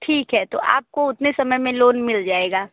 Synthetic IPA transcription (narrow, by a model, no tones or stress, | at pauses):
ʈʰiːkɦɛt̪o̰ʔa̰ːp̚koʊt̪nesɐməjmẽloːnmɪld͡ʒaːeːɡaː